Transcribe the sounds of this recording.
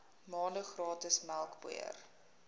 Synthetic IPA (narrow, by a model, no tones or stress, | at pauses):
mɑːndəχrɑːtəsmælˠkbṵə̰r